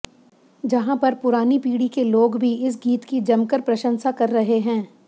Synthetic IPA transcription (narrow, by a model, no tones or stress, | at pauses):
d͡ʒɐɦãpɐɾpʊɾaːnipiːɽikeloːɡbʱiɪs̬ɡiːt̪kid͡ʒɐmkəɾpɾɐʃə̃nsakɐɾːɐɦeɦɛ̃ː